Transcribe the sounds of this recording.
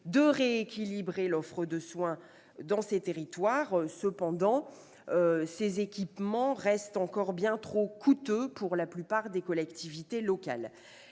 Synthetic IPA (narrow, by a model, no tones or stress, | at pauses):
d̪əʁeːkʲilibʁelɔfχəd̪əswɛ̃ | d̪ɑ̃set̪eʁit̪waːʁsəpɑ̃d̪ɑ̃ | sezekʲipmɑ̃ʁɛst̪ɑ̃kɔʁbjɛ̃t̪χokʰut̪øpuʁlaplypaʁd̪ekɔlɛkt̪ivit̪elɔka̰l